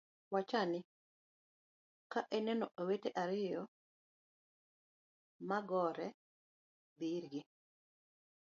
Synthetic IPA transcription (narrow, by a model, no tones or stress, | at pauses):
wat͡ʃanɪ | kaʔɛnɛnɔʔaweteʔaɾɪjɔ | maɡɔɾɛ | biɾɡɪ